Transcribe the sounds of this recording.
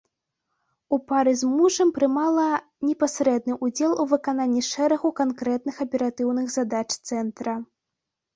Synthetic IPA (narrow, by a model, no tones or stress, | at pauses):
upaɾɨzmuʐɐmpɾɨmalˠɐ | nʲɛpasʲɾɛd̪̚nɨʔud͡zʲɛlˠuvɨkananʲːiʂɛɾɐɣukankɾɛt̪̚nɨxɐpʲɛɾat̪ɨwnɨɣzad̪at͡ʂt̪sɛnt̪ɾɐ